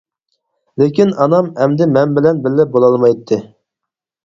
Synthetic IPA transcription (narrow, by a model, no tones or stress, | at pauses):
lekʲinɑnɑmɛmd̪ɪmɛnbɪlɛnbɪlːɪp̚bolˠɑlˠmɑjt̪ʰːɨ